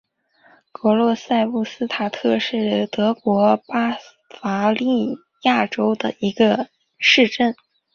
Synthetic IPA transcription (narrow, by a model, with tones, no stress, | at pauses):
kɤ˧˥lwɔ˥˧sa˥˧ɪpu˥˩sɹ̩˥t̪ʰa˨˩t̪ʰɤ˥˧ʂɻ̩˥˩t̪ɤ˧˥kwɔ˧˥pa˥ | fa˧˥li˥˩ | ja˥˩ʈ͡ʂo˥ʊd̪ə˨i˧˥ɡə˧ | ʂɻ̩˥˧ʈ͡ʂə˥˩n